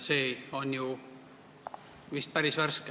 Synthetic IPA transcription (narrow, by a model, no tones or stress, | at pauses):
seːonju | ʋist̪̚pæɾisʋærske